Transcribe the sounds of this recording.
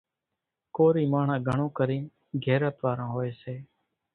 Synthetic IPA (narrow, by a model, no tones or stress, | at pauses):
koːɾiːmaːɳ̤ãːɡʱəɳõːkəɾĩːn | ɡʱeːɾət̪ʋaːɾãːɦoːeːseː